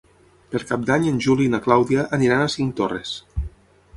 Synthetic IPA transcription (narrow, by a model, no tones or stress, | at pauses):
peɾkap̚d̪aɲenʲʒulinaklawðiaʔːniɾanasiŋt̪orḛs